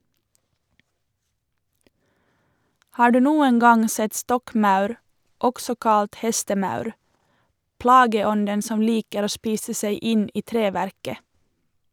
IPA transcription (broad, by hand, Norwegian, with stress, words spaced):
ˈhɑː ˈɖʉː ˈnuːən ˈɡɑŋ ˈsɛt ˈstɔkˌmɑʉɾ ˈɔɡsɔ ˈkɑlt ˈhɛstəˌmɑʉɾ ˈplɑːɡəˌɔndən ˈsɔm ˈliːkəɾ ˈoː ˈʃpiːsə ˈseɪ ˈɪn ˈiː ˈtɾeːʋæɾkə